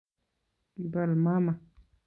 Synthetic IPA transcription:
ba˨lma˦ma˨

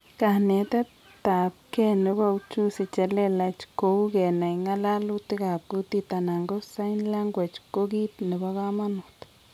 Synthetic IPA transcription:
ka˧hne˨t̪a˦ | t̪a˨bke˦ne˧ba˦˧wt͡ʃu˦si˧t͡ʃe˧le˦˧la˧t͡ʃko˧wɡe˨na˨jŋa˦la˦lu˦t̪i˦ɡa˨b̚ɡu˧˦t̪i˦˧t̪a˧na˨ŋɡo˦ssa˦jnla˦ŋɡʷe˨t͡ʃko˦ɡi˦t̪ne˨ba˧ɡa˦ma˦nu˨t̪

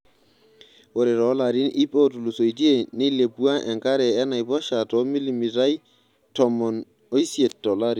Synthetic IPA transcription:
wo˨ɾe˨ɾɔ˨˦la˨ɾi˦nʔi˦po˦tu˨lu˨so˨jd͡ʒi˦e˨ne˦le˨bu˦a˦ʔɛ˨ŋka˦ɾɛ˨ɛ˦na˨jbɔ˦ʃa˨tɔ˦mi˦li˨mi˨ta˦j | tɔ˨mɔ˨n | o˦i˦si˦e˨tːɔ˨la˦ɾi˨

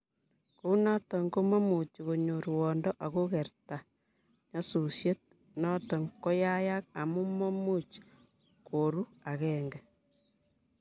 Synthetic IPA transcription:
ku˦na˦tɔ˨ŋɡo˦mo˦mu˨t͡ʃko˨ɲo˨ɾwɔ˨ndɔ˦ʔa˨ko˦kɛ˨rta˨ | ɲa˦su˨sje˦t̚ | nɔ˦tɔ˨ŋkɔ˦ja˦ja˦k̚a˨mu˦mo˦mu˦t͡ʃ | kʰo˨ɾu˦a˨kɛ˨ŋɡɛ˨

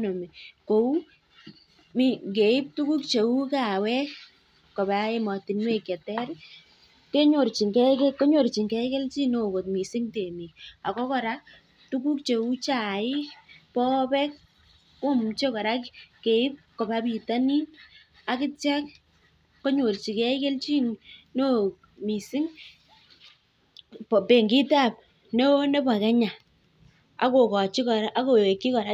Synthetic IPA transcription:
no˨me˨ko˨u˦ | mike˨ɪ˦p̚tu˦ku˦k̚t͡ʃe˨u˦ka˨wɛ˦ | kɔ˨bae˦ma˨tɪ˨nwe˦kjɛ˨tɛr | ke˦ɲo˨ɾt͡ʃi˨ŋkɛkɛko˦ɲo˨ɾt͡ʃi˨ŋkɛ˦kɛ˦lt͡ʃi˦no˨ko˨t̚mi˨sɪ˦ŋte˨mi˨k̚a˨kɔ˦kɔ˨ɾa˦ | tu˦ku˦k̚t͡ʃe˨u˦t͡ʃa˨ɪ˦pɔ˦pɛ˦k̚ | o˦mt͡ʃe˦kɔ˨ɾa˦kke˨ɪ˦p̚kɔ˨ba˦pi˨ta˦ni˦ | a˦kɪ˦tja˦k̚ː | ɔ˦ɲo˨lt͡ʃi˨kɛ˦ɪ˦ke˦lt͡ʃi˦ŋno˦ | mi˨sɪ˦ŋ | pɔ˨pe˨ŋɡi˦ta˦p̚ | ne˦ne˦ba˨kɛ˦ɲa˨ | a̰˨ko˨kɔ˨t͡ʃi˦kɔ˨ʔːko˨e˨kːi˦kɔ˨ɾa˦

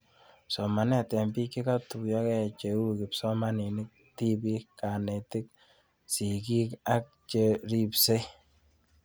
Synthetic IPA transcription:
sɔ˨ma˨nɛ˦˨tɛ˨mbi˦ki˦ka˦tu˨jɔ˦kɛ˦˨t͡ʃe˨u˦kɪ˨psɔ˦ma˦ni˨nɪ˦k̚ti˦bi˦ka˨ne˨ti˦k̚ | si˨ki˦ka˦k̚t͡ʃe˦ɾi˦pse˦

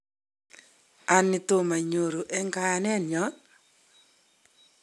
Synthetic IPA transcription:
a˨nɪ˨to˦ma˨ɲo˨ɾo˨ʔɛ˦ŋka˦a˨nɛ˦njɔ˨˦

